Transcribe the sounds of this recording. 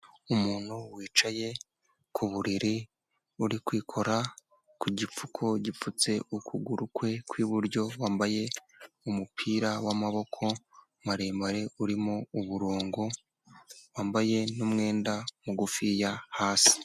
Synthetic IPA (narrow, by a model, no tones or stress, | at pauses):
umuːn̥huwiːt͡ʃaje̞ | kʰuβuɾiɾi | uɾikwiːkʰo̞ɾa | kuɟip͡fukʰo̞ɟifut͡se̞ukʰuɡuɾukwe̞kwiːβuɾɟo̞waːmbaje̞ | umupʰiːɾawamaβo̞kʰo̞ | maɾeːmbaɾe̞uɾimouβuɾoːŋɡo | waːmbaje̞numŋe̞ːndamuɡufijahaːsi̥